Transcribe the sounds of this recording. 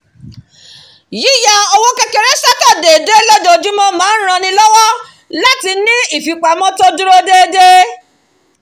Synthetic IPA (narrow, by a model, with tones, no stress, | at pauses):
ji˨˦˨ja˨˧o˧wo˦kɛ˧ke˧ɾe˨˦sa˦ta˦˨de˨de˦lɛ˦do˧˨d͡ʒu˦mɔ̃˦mãː˨˦ɾ̃ã˧nĩ˧lɔ˦wɔ˦ | la˦ti˧nĩ˦i˦˨fi˨k͡pa˨˦mɔ̃˦to˦du˦ɾo˦de˦de˦